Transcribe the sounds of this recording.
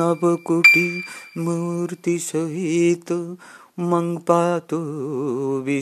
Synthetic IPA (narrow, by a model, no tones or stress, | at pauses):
ɐbɐkuʈimuɾt̪isɐɦit̪ | mɐŋɡpaːt̪o | ʋi